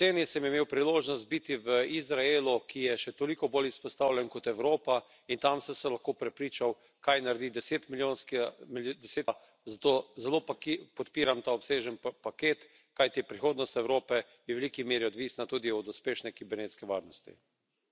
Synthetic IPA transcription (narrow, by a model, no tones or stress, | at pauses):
t̪seːnisɛmjɛmeːwpɾiloːʒnɔst̪̚bit̪iʋəizɾaelukʰijɛʃɛt̪olikɔboːlispɔst̪aːwlʲjɛnkɔt̪ɛwɾoːpa | int̪amsɛmsɛlaxkoːpɾɛpɾiːt͡ʃaw | kajnaɾd̪id̪ɛseːt̪miljonskmd̪ɛseːt̪ | zat̪ozɛlopkpɔt̪piːɾamt̪aɔpseːʒɛnpakeːt̪ | kajt̪iɛpɾixoːd̪nɔst̪ɛwɾoːpɛ | jɛʋɛlikimeːɾiɔd̪ʋiːsnat̪uːd̪iɔd̪uspeːʃnɛkibɛɾneːt̪skɛʋaɾnɔst̪ḭ